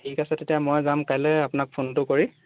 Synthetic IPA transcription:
tʰikasɛtetijamɔjzamkajlɛapʊnak̚pʰontʊkoɹi

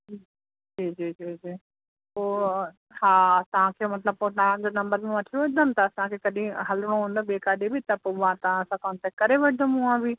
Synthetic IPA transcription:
d͡ʑiːd͡ʑiːd͡ʑiːd͡ʑiː | poː | ɦaːt̪ɐʋ̤ãkʰeːmɐt̪ləb̚poːɗ̪aʋãd͡ʑoːnɐ̃mbəɾmẽʋɐʈʰijoʋɐʈɪd̪ʱəmt̪ɐːsãkʰekɐɗĩɦɐləɽ̃oɦũːnd̪obeːkaːɗebɪt̪ɐpoʋãt̪ɐʋ̤ãɐsãkɔːnt̪ɛːkɐɾeʋɐʈɪd̪əmʊãbi

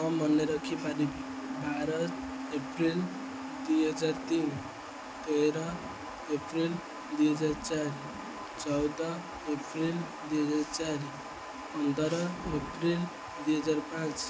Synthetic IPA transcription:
ʌmʌnːeɾʌkʰipaɾibi | bʱaɾʌt̪epɾil | d̪ujɦʌd͡ʒaɾt̪in | t̪eɾʌ | epɾil | d̪ujɦʌd͡zaɾt͡ʃaɾi | t͡ʃʌwd̪ʌ | epɾil | d̪ujɦʌd͡zaɾt͡ʃaɾi | pʌnd̪ʱʌɾʌepɾil | d̪ujɦʌd͡zaɾpãt͡ʃ

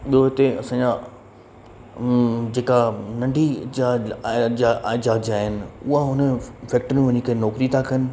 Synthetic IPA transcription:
ɓijoɦɪt̪eɐsãːɲd͡ʑa | d͡ʑeːkanɐ̃ɳɖʱid͡ʑad͡ʑaʔaːɪd͡ʑaːd͡ʑaːɦɪnɪ̆ʊɦaɦʊnəfɛːk̚ʈɾɪnʋɐɲikʰɐnɔːkɾit̪ʰakɐnɪ̆

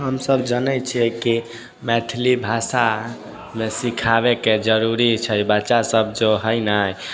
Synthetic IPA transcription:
ɦəmsəbd͡ʒənɛt͡ʃʰiɛki | mɛt̪ʰilibʱasa | mesikʰabeked͡ʒəɾuɾit͡ʃʰəjbəːʃasəb̚ʱd͡ʒoɦəjnəj

